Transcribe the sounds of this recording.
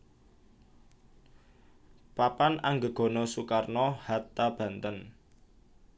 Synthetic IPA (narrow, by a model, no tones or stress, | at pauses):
papanaŋɡəɡ̥ɔ̤nɔsukarnɔhat̪ːab̥ä̤nt̪ən